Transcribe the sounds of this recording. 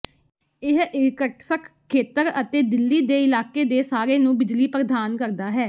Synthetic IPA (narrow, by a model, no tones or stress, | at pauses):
ɪɦɪkəʈsəkʰkʰːeːt̪əɾət̪eːd̪ɪlːiːd̪eːɪlaːkeːd̪eːsaːɾeːnũːbɪd͡ʒliːpɾəd̪aːnkəɾd̪aːɦɛː